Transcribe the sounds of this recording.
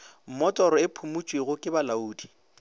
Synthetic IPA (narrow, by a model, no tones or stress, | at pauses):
m̩mɔtʼɔɾɔɪpʰumut͡ʃʼweɣʊkʼɪbalauːdi